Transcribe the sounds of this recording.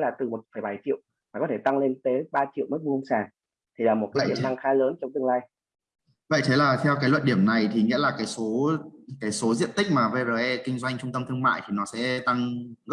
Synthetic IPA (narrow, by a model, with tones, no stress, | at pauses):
laː˨˩t̪ɨ˨˩mo˨˩t̚fəː˧˩jɓa˧˩jt͡ɕḭ˧˨ə˨w | maː˨˩kɔ˨˦t̪ʰe˧˩t̪a˧ŋle˧nt̪e˨˦ɓaː˧t͡ɕḭ˧˨wmə˦˥t̚u˧ŋ͡msaː˧˩ | t̪ʰi˨˩laː˨˩mo˨˩t̚kaː˨˧˦i˧˩nt̪a˧ŋxaː˧˦ləː˨˦nt͡ɕɔ˧wŋ͡mt̪ɨ˧ŋlaː˧j | və̰˧˨jt̪ʰe˨˦laː˨˩t̪ʰɛ˧wkaː˨˦jlwə̰˧˨nɗi˧˩əmna˨˩jt̪ʰi˨˩ŋḭ˧˥laː˨˩kaː˨˦jso˨˦kaː˨˦jso˨˦zḭ˧˨ənt̪ï˦˥k̟̚maː˨˩ve˧zə˨˩ʔɛ˧kï˧ŋ̟zwa˧jŋ̟t͡ɕʊ˧ŋ͡mt̪ə˧mt̪ʰɨ˧əŋma̰ː˧˨jt̪ʰi˨˩nɔ˨˦sɛ̰˧˥t̪a˧ŋɣə˦˥